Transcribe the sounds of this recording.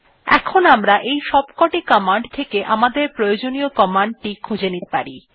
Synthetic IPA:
ɛ̰kʰonamɾaʔejʃɔbkɔʈikɔmaɳɖt̪ʰekeʔamad̪eɾpɾojod͡ʑoniokɔmaɳɖ̚ʈikʰud͡ʑenit̪e̥pa̰ɾi

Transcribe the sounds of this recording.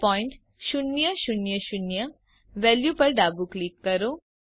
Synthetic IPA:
pɔːɪɳʈ | ʃʊnjəʃʊnjəʃʊnjə | ʋɛljupɐɾɖaːbuklikːɐɾoː

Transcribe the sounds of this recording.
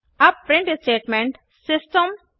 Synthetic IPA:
ɐppɾɪ̃ɳʈsʈeːʈmẽɳʈ | sɪsʈəm

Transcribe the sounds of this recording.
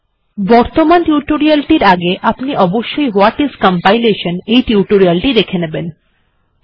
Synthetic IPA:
bɔɾt̪omanʈjuɾʈoɾialʈiɾaɡeʔapniʔɔboʃːojɦowaʈizkɔmpajleʃʰenejʈiuɾʈoɾialʈid̪ekʰeneben

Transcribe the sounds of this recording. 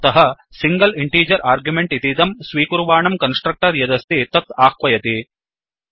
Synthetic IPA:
t̪ɐɦɐ | siŋɡɐliɳʈiːd͡ʒɐɾʔaːɾɡjumeɳʈit̪id̪ɐmsʋiːkuɾʋaːɳɐmkɐnsʈɾɐk̚ʈɐɾjɐd̪ɐst̪it̪ɐt̪aːkʋɐjɐt̪i

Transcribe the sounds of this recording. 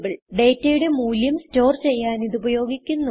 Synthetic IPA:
biɭɖe̞ːtːɐjuɽe̞muːljɐmsto̞ːrt͡ɕe̞jːaːniðubɐjo̞ːɡikʲːunːu

